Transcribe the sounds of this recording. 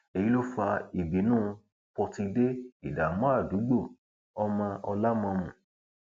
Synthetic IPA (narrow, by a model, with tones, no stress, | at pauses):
e˨ji˦lo˦fa˧i˨bi˨˦nũː˦˧ | pɔ˧ti˧de˦i˦˨da˨mɔ̃˦a˦˨du˨˦ɡ͡bo˦˨ | ɔ˧˦mã˧ɔ˧la˦mɔ̃˧mũ˨